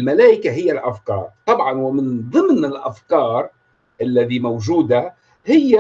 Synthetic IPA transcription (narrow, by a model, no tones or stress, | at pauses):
lmalaːʔɪkaɦɪjːalʔafkɑ̰ːɾˤt̪ˤɑbʕɑnwɪmɪnðˤɨmnɪlʔafkɑːɾˤ | ʔalːaðimawʒuːd̪a | hɪjːa